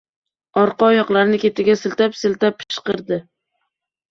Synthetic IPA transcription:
ɒɾqɑjɒqlˠaɾnɪkʲe̞t̪ɪɡʲasɪlt̪apsɪlt̪apʰːɪʃqɨɾd̪ɪ

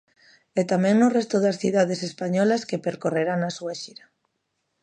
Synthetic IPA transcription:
ɛt̪amɛ̃ŋnʊrɛst̪ʊðasθiðaðesespaɲɔlaskepeɾkoreɾaŋnasweʃiɾa

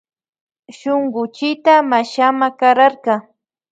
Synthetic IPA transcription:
ʃoŋɢʊt͡ʃɪt̪amaʃamakaɾaɾqɑ

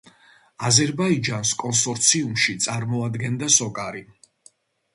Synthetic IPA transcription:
azɛɾbaid͡ʒanskʼɔnsɔɾt̪sʰiumʃit̪sʼaɾmɔad̪ɡɛnd̪asɔkʼaɾi

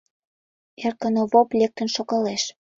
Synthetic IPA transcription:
erkənoβoplʲek̚t̪ə̆nʃokɑleʃ

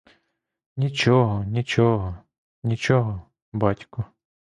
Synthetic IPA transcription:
nʲit͡ʃɔɦɔnʲit͡ʃɔɦɔ | nʲit͡ʃɔɦɔ | bɑtʲkʊ

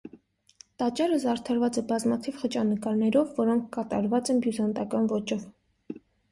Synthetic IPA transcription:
t̪ɑt͡ʃɑɾəzɑɾt̪ʰɑɾvɑt͡sɛbɑzmɑt̪ʰivχət͡ʃɑnəkɑɾnɛɾɔvːɔɾɔŋkʰkɑt̪ɑ̰ɾvɑt͡sɛnbjuzɑnt̪ɑkɑnvɔt͡ʃɔv

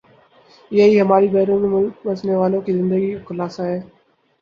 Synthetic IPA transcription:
ɪɦaiːɦəmaːɾiːbɛːɾũːmẽmʊlkbəsneːʋaːlõkiːzɪ̃nd̪əɡiːkʊlaːsaːɦeː

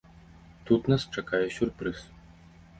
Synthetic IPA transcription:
t̪ut̪nast͡ʂakajɛsʲurpɾɨs

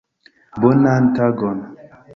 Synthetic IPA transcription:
bonan̩taɡɔn

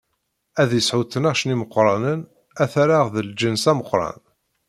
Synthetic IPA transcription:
æðjəsʕuθənaʁʃniməqːɾˤɑnən | æθæɾaʁðəld͡ʒənsæməqːɾˤɑ̰n

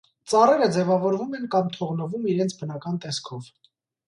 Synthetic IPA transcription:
t͡sɑrɛɾəd͡zɛvɑvɔɾvumɛnkɑmt̪ʰɔʁnəvumiɾɛnt͡sʰbənɑkɑnt̪ɛskʰɔv

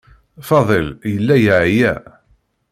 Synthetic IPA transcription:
fɑðˤəljəlːæjʕjæ̰

